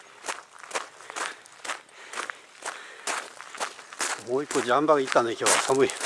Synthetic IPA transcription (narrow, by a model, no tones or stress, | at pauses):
moːikːod͡ʑambaɡait̪ːãnd̪ekʲjoːasʰamɯi